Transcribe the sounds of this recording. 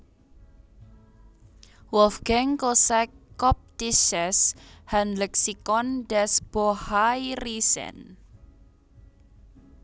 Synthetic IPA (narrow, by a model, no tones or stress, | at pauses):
wɔfɡ̥ɛŋkosɛkːɔp̚t̪iʃɛshanlɛksikɔndɛsb̥ohajrisɛ̰n